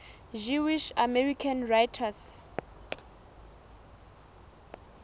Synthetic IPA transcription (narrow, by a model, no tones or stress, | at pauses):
ʒuwiʃamɛrikʰanrajtʰas